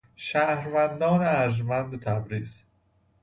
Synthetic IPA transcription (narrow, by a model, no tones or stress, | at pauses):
ʃæhɾvænd̪ɒːneæɾʒmænd̪t̪ʰæbɾiːz̥